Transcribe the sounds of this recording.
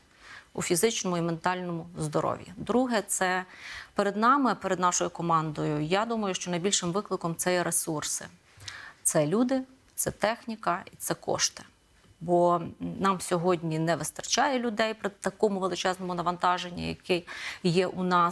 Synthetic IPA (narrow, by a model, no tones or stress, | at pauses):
ṵfʲizɪt͡ʃnɔmʊiment̪ɑlʲnɔmʊzd̪ɔɾɔ̰ʋʲjḭd̪ɾuɦɛt̪sɛpeɾed̪nɑmɪpeɾed̪nɑʃɔjʊkɔmɑnd̪ɔjʊjɑd̪umɐjʊʃt͡ʃɔnɐjbʲilʲʃɪmʋɪklˠɪkɔmt̪sɛjɛɾesursɪ̰ | t̪sɛlʲud̪ɪ | t̪sɛt̪ɛxnʲikɐit̪sɛkɔ̰ʃt̪ɪ̥ | bɔnɑmsʲɔɦɔdʲnʲinɛʋɪst̪ɐrt͡ʃɑjɛlʲʊd̪ɛjpɾɪt̪ɐkɔmʊʋelˠɪt͡ʃɛznɔmʊnɐʋɐnt̪ɑʒenʲːḭjɐ̰kɪjjɛʔunɑ